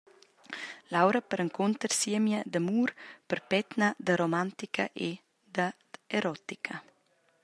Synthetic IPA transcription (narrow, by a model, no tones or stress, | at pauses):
lawɾəpəɾəŋkʰunt̪əɾsiəmjəd̪əmuːɾpəɾpɛt̪nad̪əɾomant̪ikʰa̰ʔe | d̪ə | eɾɔt̪ikʰɐ